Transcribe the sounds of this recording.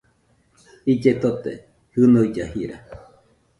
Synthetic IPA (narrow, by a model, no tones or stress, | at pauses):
id͡ʒet̪ot̪ḛ | hɨnoid͡ʒahiɾa̰